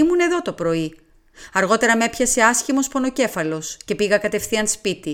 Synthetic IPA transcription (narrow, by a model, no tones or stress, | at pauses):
imune̞ðo̞t̪o̞pɾo̞i | ɐɾɣo̞t̪e̞ɾɐme̞pçɐse̞ɐsçimo̞spo̞no̞ce̞fɐlo̞sce̞piɣɐkɐt̪e̞fθiɐnspit̪i